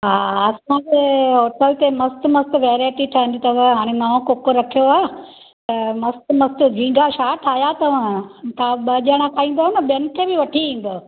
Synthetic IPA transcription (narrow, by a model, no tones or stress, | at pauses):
ɦaːɐsãd͡ʑeːɦoːʈəlt̪emɐst̪mɐst̪ʋeːɾaːɪʈiʈʰɐɦɪ̃n̆d̪it̪ɐʋɦaːɽ̃enɐʋõkoːkoɾɐkʰijoaː | t̪ɐmɐst̪mɐst̪ɡʱĩ̆ːɡaʃaːʈʰaːjat̪ɐʋãt̪ʰaɓɐʄaɽ̃akʰaːĩːn̆d̪oɦənəɓijɐnɪ̆kʰeːbɪʋɐʈʰiĩːn̆d̪oː